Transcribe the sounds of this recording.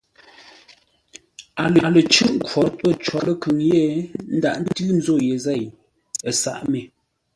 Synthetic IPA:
a˨lə˨lə˨t͡ʃʉ˦ʔŋ̩˦kwɔ˨˦tə˦˨t͡ʃwɔ˨lə˦˨kʉ˨ŋje˦˨n̩˦da̰˨ʔn̩˦də˦ti˦n̩˦zo˦˨je˨zɛ˦˨j | ə˨sa̰˨ʔme˨

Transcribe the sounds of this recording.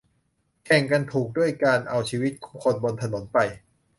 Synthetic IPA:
kʰɛ˨˩ŋka˧nt̪ʰuː˨˩k̚du˥˩əjkaː˧nʔa˧wt͡ɕʰiː˧wi˦˥t̪̚kʰɔ̥ː˩˦ŋkʰo˧nbo˧nt̪ʰa˧no˩˦npa˧j

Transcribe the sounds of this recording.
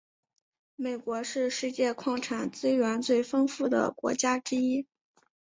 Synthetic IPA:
me˨˩ɪkwɔ˧˥ʂɻ̩˥˧ʂɻ̩˥˧t͡ɕjɛ˥˧kʰwɑ˥˩ŋʈ͡ʂʰa˨˩nt͡sɹ̩˥ɥɛ˧˥nt͡swe˥˩ɪfɤ˥ŋfu˥˩d̪ə̰˩kwɔ̰˧˥t͡ɕja˥ʈ͡ʂɻ̩˥i˥

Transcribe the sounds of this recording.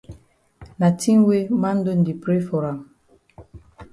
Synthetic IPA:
na˨tʰi˦nwe˦ma˦n̩˦do˦˨n̩˨di˨pɾe˦fɔ˨ɾa˨m

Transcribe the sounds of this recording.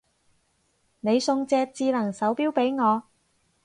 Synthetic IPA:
ne˨˧jsʊ˧ŋt͡sɛː˧k̚t͡siː˧lɐ˨˩ŋsɐ˨˥wpiː˥wpe˨˥jŋɔː˨˧

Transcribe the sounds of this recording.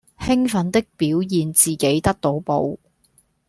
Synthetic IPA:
hɪ˥ŋfɐ˨˥nt̪ɪ˥k̚piː˨˥wjiː˨nt͡siː˨ke˨˥jt̪ɐ˥k̚t̪o˨˧˥wpo̰˨˧˥w

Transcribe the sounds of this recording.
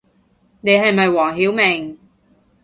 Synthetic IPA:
ne˨˧jɦɐ˨jmɐ˨jwɔː˨˩ŋɦiː˨˥wmɛː˨˩ŋ

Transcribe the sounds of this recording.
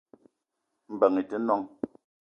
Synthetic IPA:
m̩˨bɛ˨ŋi˨tə˦nɔ˦ŋ

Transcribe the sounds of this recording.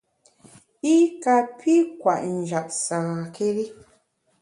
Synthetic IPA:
i˦ka˨pʰi˦kwa˨ʔn̩˨d͡ʒa˨ʔ̚sa˨ɣa˨kʰe˦ɾi˦

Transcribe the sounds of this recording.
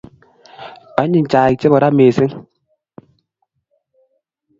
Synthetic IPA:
a˦ɲi˨n̩˨t͡ʃaː˨i˨t͡ʃe˦bɔ˨ɾa˦meː˨se˦ŋ

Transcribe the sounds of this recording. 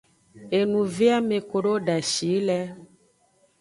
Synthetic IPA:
e˨nũ˨ve˦a˦me˨ko˨ɖo˦ɖa˨ʃi˨˦lɛ˦

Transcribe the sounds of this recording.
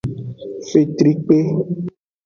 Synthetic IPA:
fe˨t̪ɾi˦k͡pe˦

